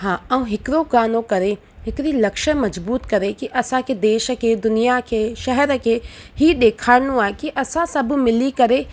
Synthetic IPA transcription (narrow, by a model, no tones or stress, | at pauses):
ɦãːɛũɦɪkɪɾoɡaːnõkɐɾe | ɦɪkɾilɐkʃəmɐzbuːt̪kɐɾekiʔɐsãkʰeːd̪eːʃə̆kʰeːd̪ʊnijakʰeːʃɐɦɛɾəkʰeː | ɦiɗeːkʰaːɪñũaːɦekiʔɐsãsɐbʱmɪlikɐɾe